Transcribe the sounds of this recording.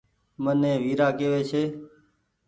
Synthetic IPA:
mənẽːʋiːɾaːkeːʋeːt͡ʃʰeː

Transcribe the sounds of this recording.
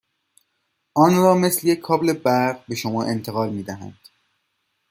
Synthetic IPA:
ɒːnɾɒːme̞slejekʰːɒːble̞bæɾʁbe̞ʃomɒːʔe̞nt̪ʰeɣɒːlmiːd̪æɦæ̰nd̪̥

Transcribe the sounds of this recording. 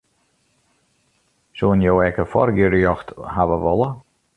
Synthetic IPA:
soənjowɛkəfɔ̰rɡjøɾəjɔxthaʋəʋɔlˠə

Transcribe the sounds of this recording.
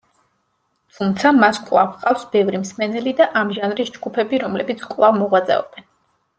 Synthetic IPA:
t̪ʰumt̪sʰamaskʼwlˠavqʼafsbɛvɾimsmɛnɛlid̪aʔamʒanɾisd͡ʒɡupʰɛbiɾɔmlɛbit̪sʰkʼlˠavmɔʁwat̪sʼɛ̰ɔ̰b̥ɛn

